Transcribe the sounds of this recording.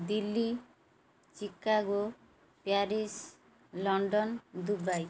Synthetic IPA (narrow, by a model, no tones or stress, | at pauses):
d̪ilːi | t͡ʃikːaɡo | paɾis | lɔɳɖɔnd̪uɾbaj